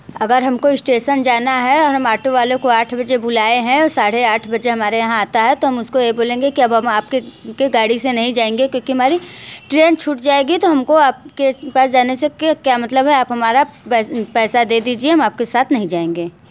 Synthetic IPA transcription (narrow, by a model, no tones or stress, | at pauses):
ɐɡəɾɦɐmkoɪsʈeːʃənd͡ʒaːnaɦɛɔːɾɦɐmaːʈoʋaːlõkoaːʈʰbɐd͡ʒebʊlaːeɦɛ̃ɔːɾsaːɽeaːʈʰbɐd͡ʒeɦɐmaːɾejɐɦãaːt̪aɦɛt̪oɦɐmʊskojeboːlẽːŋɡekiɐbɦɐmaːp̚kekeɡaːɽisenɐɦĩd͡ʒaːẽːŋɡekjõːkiɦɐmaːɾiʈɾeːnt͡ʃʰuːʈd͡ʒaːeːɡit̪oɦɐmkoaːp̚kepaːs̬d͡ʒaːnesekekjaːmɐt̪ləbɦɛaːpɦɐmaːɾaɛpɛːsad̪eːd̪iːd͡ʒieɦɐmaːp̚kesaːt̪ʰnɐɦĩd͡ʒaːẽːŋɡeː